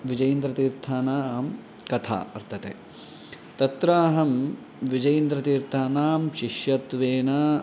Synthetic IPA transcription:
ʋid͡ʒɐjɐnd̪ɾɐt̪iːɾt̪ʰaːnaːm | kɐt̪ʰa̰ːɐɾt̪ʰɐt̪ḛː | t̪ɐt̪ɾaːɦɐm | ʋid͡ʒɐjind̪ɾɐt̪iːɾt̪ʰaːnaːmʃiʃjɐt̪ʋeːnaː

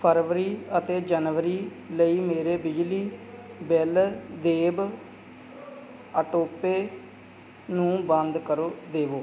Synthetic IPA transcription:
pʰəɾʋəɾiːət̪eːd͡ʒənʋəɾiː | ləiːmeːɾeːbɪd͡ʒliːbɪld̪eːb | əʈoːpeː | nũːbə̃nd̪kəɾoːd̪eːʋoː

